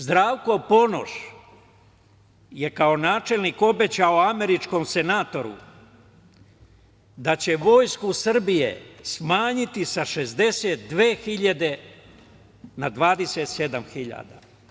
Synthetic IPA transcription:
zd̪ɾaːʋko̞po̞no̰ʃ | je̞kao̞naːt͡ʃe̞lˠniko̞be̞t͡ɕaoame̞ɾit͡ʃko̞mse̞naːt̪o̞ɾṵ | d̪at͡ɕe̞ʋo̞ːjskusr̩bijḛsmaːɲit̪isaʃezd̪e̞seːt̪̚d̪ʋe̞ːxiʎad̪e̞ | nad̪ʋaːd̪e̞se̞t̪se̞d̪amxiʎa̰ːd̪a̰

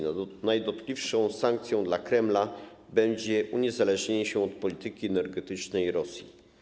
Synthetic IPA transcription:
najd̪ɔt̪klʲifʂɔ̃w̃sãŋkt̪sʲjɔ̃w̃d̪lakɾɛmla | bɛɲd͡ʑɛʔuɲɛzalɛʐɲeɲɕɛɔt̪̚pɔlʲit̪ɘkʲiɛnɛɾɡɛt̪ɘt͡ʂnɛjɾɔsʲji

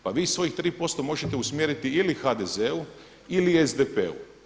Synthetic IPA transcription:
paʋiːsʋo̞jixt̪ɾiːpo̞st̪o̞mo̞ʒet̪e̞usmjeɾit̪iilixad̪ezeu | iliezd̪epḛṵ

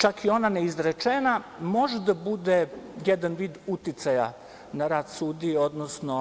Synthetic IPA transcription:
t͡ʃakio̞naneizɾet͡ʂenamo̞ʒed̪abud̪ejɛd̪anʋiːd̪ut̪it̪saja̰ | naɾaːd̪suːd̪ieo̞d̪nosno̞

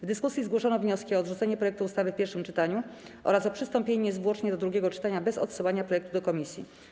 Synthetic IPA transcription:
vd̪ɘskusʲjizɡwɔʂɔnɔvɲɔskʲiɔːd̪ʐut̪ɛɲɛpɾɔjɛkt̪uːst̪avɘfpʲɛɾʂɘmt͡ʂɘt̪aɲu | ʔɔ̰ɾasɔpʂɘst̪ɔmpʲjeɲɛzvwɔt͡ʂɲɛd̪ɔd̪ɾuɡʲjɛɡɔt͡ʂɘ̥t̪aɲabɛzɔ̰t̪sɘwaɲapɾɔjɛkt̪ud̪ɔkɔmʲisʲjḭ

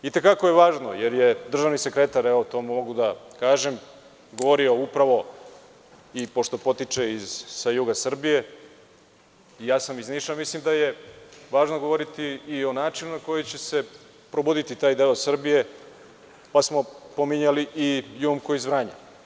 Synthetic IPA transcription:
it̪e̞kako̞je̞ʋaːʒno̞̰jeɾjed̪r̩ʒaʋnise̞kɾe̞t̪aɾeʋot̪o̞mumo̞ɡud̪akaːʒe̞m | ɡo̞ʋo̞ɾio̞upɾaʋo̞ | ipo̞ʃt̪o̞po̞t̪it͡ʂe̞izːajuːɡasr̩bije̞ | ijaːsamizniːʃamislimd̪ajeʋaːʒnoɡo̞ʋo̞ɾit̪iːo̞naːt͡ʃinunako̞jot͡ɕe̞se̞ | pɾobod̪it̪it̪aːjd̪eosr̩bije̞ | pasmo̞pomiɲaliʔijumkoizʋɾaːɲa̰

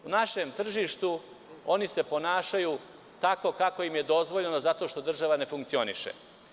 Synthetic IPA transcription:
unaʃe̞mt̪r̩ʒiʃt̪u | o̞nise̞po̞naːʃajuː | t̪ako̞kako̞imje̞d̪o̞zʋoʎe̞nozat̪o̞ʃt̪o̞d̪r̩ʒaʋane̞fuŋk̚t̪sio̞nḭʃḛ

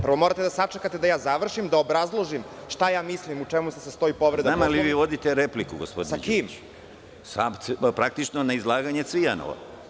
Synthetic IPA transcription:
pɾr̩ʋo̞mo̞ɾat̪ed̪asat͡ʂekat̪e̞d̪ajaːzaʋr̩ʃimd̪aobɾazlˠoʒimʃt̪ajaːmislimut͡ʂemust̪esast̪o̞ipo̞ʋɾed̪namaliʋiːʋo̞d̪it̪eɾeplikuɡospod̪sa̰kiːm | sampɾak̚t̪it͡ʃnonaizlˠaːɡaɲe̞t̪sʋiano̰ʋa̰

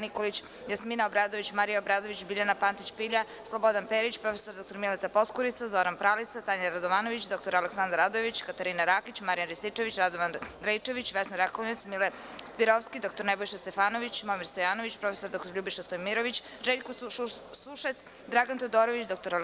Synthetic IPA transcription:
nikolit͡ɕ | jasminaobɾaːd̪oʋit͡ɕmaɾijaobɾaːd̪oʋit͡ɕbiʎanapant̪it͡ɕpiʎa | slˠobo̞d̪anpeɾit͡ɕpɾo̞fesoɾd̪o̞kt̪oɾmilet̪apo̞skuɾit̪sazo̞ɾanpɾalit̪sat̪aɲaɾad̪oʋaːno̞ʋit͡ɕd̪o̞k̚t̪oɾaleksand̪aɾad̪oeʋit͡ɕkat̪aɾiːnaɾaːkit͡ɕmaɾijanɾist̪it͡ʂeʋit͡ɕɾad̪oʋanɾajt͡ʂeʋit͡ɕʋesnaɾakonit̪smile | spiɾofskid̪o̞k̚t̪oɾnebojʃest̪e̞faːno̞ʋit͡ɕmomiɾst̪ojaːnoʋit͡ɕpɾo̞fesoɾd̪o̞kt̪oɾʎubiʃest̪ojmiɾoʋit͡ɕ | ʒeʎkosuʃet̪s | d̪ɾaɡant̪od̪oːɾoʋit͡ɕd̪o̞k̚t̪o̞ɾa

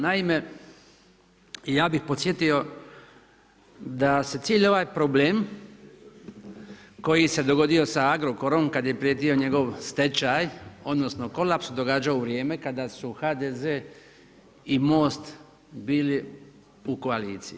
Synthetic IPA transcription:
naime̞ | jaːbixpo̞t̪sjet̪io̞ | d̪ase̞t̪iːʎo̞ʋaːjpɾobleːm | ko̞jise̞d̪o̞ɡo̞d̪io̞saaɡɾo̞ko̞ɾo̞mkad̪je̞pɾijet̪io̞ɲe̞ɡo̞ʋst̪e̞t͡ɕajo̞d̪no̞sno̞ko̞lapsud̪o̞ɡaːd͡ʒaoʋɾje̞ːme̞kad̪asuxaːd̪ezeː | imo̞ːst̪ | biːli | uko̞aliːt̪sii

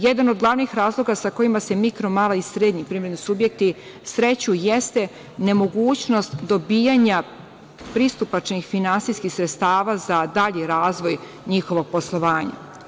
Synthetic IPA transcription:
jed̪anod̪ɡlˠaʋnixɾaːzlˠo̞ɡasako̞imase̞mikɾo̞maːlaisɾeːd̪ɲipɾiːmɾed̪nusubje̞k̚t̪i | sɾet͡ɕujest̪e̞ | ne̞mo̞ɡuːt͡ɕno̞st̪d̪o̞biːjaɲa | pɾist̪upat͡ʃnixfinansiskixsɾet̪st̪aːʋazad̪aːʎiɾaːzʋo̞j | ɲixo̞ʋo̞po̞slˠo̞ʋaːɲa̰

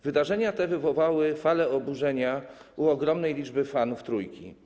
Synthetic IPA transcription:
vɘd̪aʐɛɲat̪ɛvɘvɔvawɘfalɛɔbuʐɛɲauɔɡɾɔmnɛjlʲid͡ʐbɘfanuft̪ɾujkʲḭ

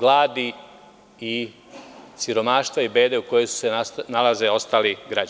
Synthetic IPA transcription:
ɡlˠaːd̪i | i | siɾo̞maːʃt̪ʋaibe̞ːd̪e̞uko̞jesu̥seanalaze̞o̞st̪aːliɡɾad͡ʒ

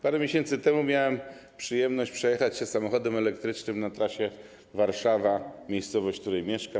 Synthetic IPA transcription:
paɾɛmʲeɕɛnt̪sɘt̪ɛmumʲjawɛm | pʂɘjɛmnɔɕt͡ɕpʂɛjɛxat͡ɕɕɛsamɔxɔd̪ɛmɛlɛkt̪ɾɘt͡ʂnɘmnat̪ɾaɕɛ | vaɾʂavamʲjejst̪sɔvɔɕt͡ɕk̚t̪uɾɛjmʲjɛʂka

